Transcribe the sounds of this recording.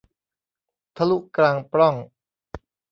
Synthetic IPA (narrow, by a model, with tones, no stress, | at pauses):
t̪ʰa˧lu˦˥kɾaː˧ŋpɾɔ˥˩ŋ